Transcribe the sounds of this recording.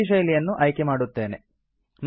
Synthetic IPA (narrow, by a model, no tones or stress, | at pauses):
iʃ̬ɐjlijɐnːuʔɐjkemaːɽut̪ːe̞ːne | n